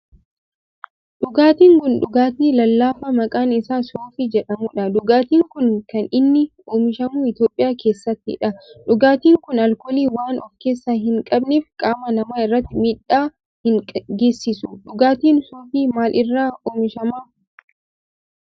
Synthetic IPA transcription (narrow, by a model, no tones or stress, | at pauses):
ᶑʊɡaːt̪iːŋɡʊnᶑʊɡaːt̪iːlɐlːaːfɐmɐkʼaːnɪsaːsoːfɪd͡ʒɛᶑɐmʊᶑɐd̪ʊɡaːt̪iːŋkʊnkɐnɪnːɪ | oːmɪʃɐmuːɪt̪jo̞ːpʼɪjaːke̞ːsːɐt̪ːɪ̰ᶑɐᶑʊɡaːt̪iːŋkʊnɐlkɔliːwaːnɔfke̞ːsːaːɦɪŋkʼɐbniːfkʼaːmɐnɐmaːɪrːɐt̪ːɪmiːᶑaː | hɪŋʼɡe̞ːsːɪsʊᶑʊɡaːt̪iːnsoːfiːmaːlʔɪrːaːoːmɪʃɐma